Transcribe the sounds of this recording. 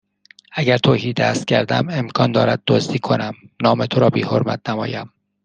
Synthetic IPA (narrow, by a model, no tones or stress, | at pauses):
æɟæɾt̪ʰoːhiːd̪æst̪̚cʰæɾd̪æme̞mkʰɒːnd̪ɒːɾæd̪̚ːozd̪iːkʰo̞næmnɒːmet̪ʰoɾɒːbiːho̞̰ɾmæ̰t̪̚ʰnæmɒːjæm